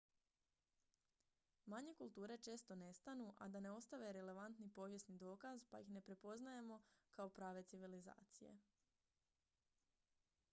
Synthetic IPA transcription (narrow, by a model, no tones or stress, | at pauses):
maɲe̞kulˠt̪uːɾe̞t͡ʃe̞ːst̪o̞ne̞st̪anuʔa̰d̪ane̞o̞st̪aʋe̞ɾe̞le̞ʋant̪nipo̞ʋje̞snid̪o̞ːkazpa̰jixne̞pɾepo̞znaje̞mo̞kao̞pɾaːʋe̞t̪iʋiliza̰ːt̪sije̞̰